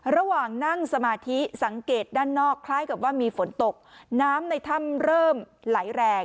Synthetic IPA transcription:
ɾa˧waː˨˩ŋna˥˩ŋsa˧maː˧t̪ʰi˦˥sa˩˦ŋkeː˨˩t̪̚daː˥˩nːɔː˥˩kʰlaː˦˥˩jka˨˩p̚waː˥˩miː˧fo˩˦nt̪o˨˩k̚naː˦˥mna˧jt̪ʰa˥˩mɾɤː˥˩mla˨˩˦jɾɛː˧

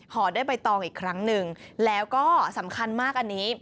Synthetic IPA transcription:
hɔː˩˦daː˥˩jpa˧jt̪ɔː˧ŋʔiː˨˩kʰːɾa˦˥ŋnɯ˧ŋlɛː˦˥wkɔː˥˩sa˩˦mkʰa˧nmaː˥˩k̚ʔa˧nːiː˦˥

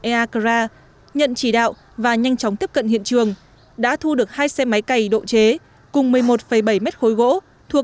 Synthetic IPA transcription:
ʔɛ˧ʔaː˧kzaː˧ | ɲə̰˧˨nt͡ɕi˧˩ɗa̰ː˧˨wʔ | vaː˨˩ɲa˧jŋt͡ɕɔ˨˦wŋ͡mt̪i˦˥əp̚kə̰˧˨nhḭ˧˨ənt͡ɕɨ˨˩əŋ | ɗa̰ː˧˥t̪ʰu˧ɗɨ˨˩ək̚haː˧jsɛ˧ma˨˦jka˨˩jɗo̰˧˨t͡ɕe˨˦ | kʊ˨˩ŋ͡mmɨ˨˩əjmo˨˩t̚fə˧˩jɓə˧˩jmɛ˦˥t̚xo˨˦jɣo̰˧˥ | t̪ʰu˨˩ə

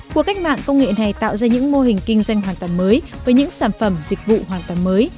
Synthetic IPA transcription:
ku˨˩ka˦˥jk̚ma̰ː˧˨ŋkə˧wŋ͡mŋḛ˧˨na˨˩jt̪a̰ː˧˨wzaː˧ɲɨ̰˧˥ŋmo˧hï˨˩ŋ̟kï˧ŋ̟zwa˧jŋ̟ɦwaː˨˩nt̪waː˨˩məː˨˦jvvəː˨˦jɲɨ̰˧˥ŋsaː˧˩nfə˧˩mzï˨˩k̟̚vṵ˧˨hwaː˨˩nt̪waː˨˩məː˨˦j

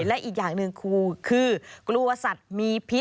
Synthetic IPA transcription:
lɛ˦˥ʔiː˨˩k̚jaː˨˩ŋnɯ˧ŋkʰuː˧˩kʰɯː˧klu˧ɐsa˨˩t̪̚miː˧pʰi˦˥

